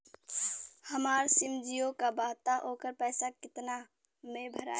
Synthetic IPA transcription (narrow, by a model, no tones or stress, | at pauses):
həmaːɾsɪmd͡ʒijokabaːɦt̪aʔoːkəɾpɛːsakɪt̪na | mẽbʱəɾa̰ː